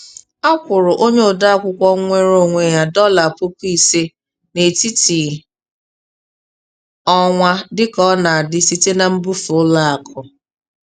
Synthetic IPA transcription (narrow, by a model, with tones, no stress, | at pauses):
a˦kʷʊ˨ɾʊ˨ʔo˦ɲe˦ʊ˨da˦a˦kʷʊ˦kʷɔ˦ŋʷe˦ɾo˦˨ŋʷe˨ja˦dɔ˦la˨po˦ki˦˨se˦ | ne˨ti˦ti˨ | ɔ˦ŋʷa˦dɪ˦kɔ˦na˨a˨dɪ˦si˦te˦na˨m̩˦bu˦fʊ˨ʊ˦la˦a˨kʰʊ˨